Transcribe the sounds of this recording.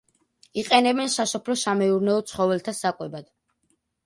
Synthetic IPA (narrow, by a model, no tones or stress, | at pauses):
iqʼɛnɛbɛnsasɔpʰlɔsamɛuɾnɛɔt̪sʰχɔvɛlt̪ʰasakʼwɛbad̪̥